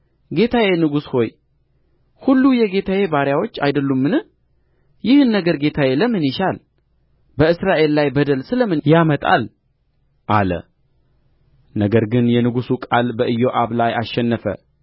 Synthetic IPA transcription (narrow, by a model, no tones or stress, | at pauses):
ɡe̞t̪ʰawenɨɡusho̞j | hulːujɛɡe̞t̪ʰawebaɾjawo̞t͡ʃːajd̪əlːumːɨnɨ | jɪhɨnːəɡəɾɡe̞t̪ʰaweləmɨnjɪʃal | bəɨsɾaʔe̞lːajbəd̪əlsɨləmɨnjamət̪ʼa̰l | ʔalə̰ | nəɡəɾɡɨnjɛnɨɡusukʼalbəʔɨjːo̞ʔaβlajaʃɛnːəfə̰